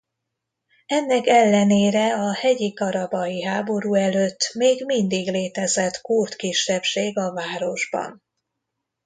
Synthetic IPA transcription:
ɛnːɛkɛlːɛneːɾɛɒhɛɟikɒɾɒbɒjiɦaːbo̞ɾuːɛløːt̪ːmeːɡmind̪iɡleːt̪ɛzɛt̪kurt̪kiʃːɛpʃeːɡɒvaːɾo̞ʒbɒ̰n

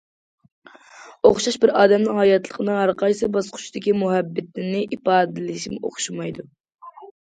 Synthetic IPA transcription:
oχʃɑʃbɪɾɑːd̪ɛmnɨŋhɑjɑt̪lˠəqʰənɨŋæɾqɑjsɨbɑsqʰʊ̥t͡ʃd̪ɪkʲimuɦɛbːɪt̪nɪnɪʔipɑːd̪ɨlɪʃimɪʔo̰χʃimɑjd̪u

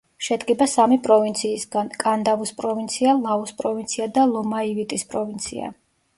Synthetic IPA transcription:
ʃɛd̪ɡɛbasamipʼɾɔvint̪sʰiːsɡankʼand̪avuspʼɾɔvint̪sʰialˠauspʼɾɔvint̪sʰiad̪alˠɔmaivit̪ʼispʼɾɔvint̪sʰḭa̰

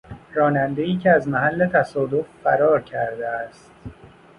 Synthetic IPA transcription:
ɾɒːnænd̪eiːcʰeæzmæɦælːe̞t̪ʰæsɒːd̪offæɾɒːɾcʰæɾd̪eæst̪̚

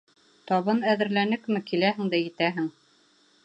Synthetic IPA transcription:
t̪ɑβɤnæðɘ̆ɾlænɘkmɘkilæɦɘ̆ŋd̪æjɘ̆t̪æɦɘŋ

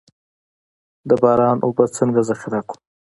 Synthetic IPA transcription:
d̪əbɑɾɑnʔobat͡səŋɡazaxɪɾaku̥

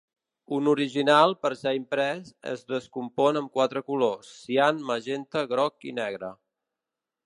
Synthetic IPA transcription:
unuɾiʒinalˠpəɾsɛimpɾɛsə̰zðəskumpɔnəmkwat̪ɾəkulosːianməʒent̪əɣɾɔkḭnɛɣ̞ɾə

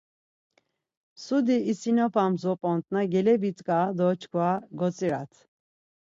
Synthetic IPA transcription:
sud̪iːsinɔpʰamzɔpʼɔnt̪ʼnaɡɛlɛbit͡sʼkʼad̪ɔt͡ʃʰkʰvaɡɔt͡sʼiɾa̰t̪ʰ

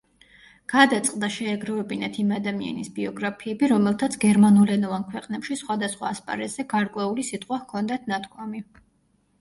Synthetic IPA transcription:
ɡ̥ad̪at̪sʼqʼd̪aʃɛːɡɾɔvɛbinat̪ʰimad̪amia̰nisbiɔɡɾapʰiɛbiɾɔmɛlˠt̪ʰat̪sʰɡɛɾmanulɛnɔvankʰwɛqʼnɛpʃisχwad̪asχwa̰ːspʼa̰ɾɛt̪z̥ɛɡaɾkʼwɛulisit̪ʼqʼwahkʰɔnd̪at̪ʰnat̪ʰkʰwami

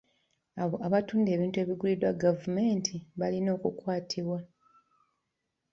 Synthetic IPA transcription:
aβatuːnde̞ːβiːntue̞ːβiɡulidwaɡavume̞ːntʰiβalino̞ːkukwaːtʰiβwa

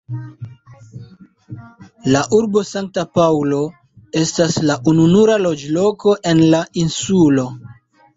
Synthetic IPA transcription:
laʔuɾbo̞saŋk̚tapawlo̞ | e̞staslaʔununuɾalo̞d͡ʒlo̞ko̞ʔe̞nlainsulo̞

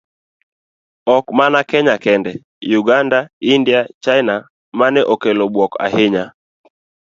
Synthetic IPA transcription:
ɔkmanakɛɲakɛndɛ | juɡandaindiat͡ʃaɪna | manɛʔokɛlɔɓwɔka̰heɲa

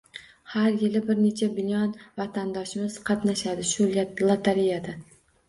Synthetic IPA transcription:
haɾjɪlɪbɪɾne̞t͡ʃʰabɪnʲɒnvat̪ʰand̪ɒʃɪmɪz̥qʰɑt̪naʃad̪ɪʃʊllˠat̪ʰaɾijad̪a

